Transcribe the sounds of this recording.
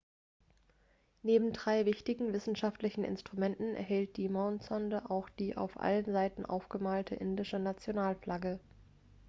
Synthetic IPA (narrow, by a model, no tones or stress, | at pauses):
neːbm̩dʁaɪvɪçtɪɡŋ̩vɪsn̩ʃaftlɪçn̩ɪ̰nstʁ̥umɛntn̩ɛ̰ɐɦɛlt̚d̥iːmɔʊnt͡sɔndəʔaʊxd̥iːʔa̰ʊfʔa̰lənzaɪtn̩ʔa̰ʊfɡ̥əmaːltʰəʔɪndɪʃənat͡sjonaːlflaɡə